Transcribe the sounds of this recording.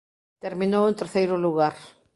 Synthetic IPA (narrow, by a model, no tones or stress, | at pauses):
t̪eɾmĩnowent̪eɾθejɾʊluɣaɾ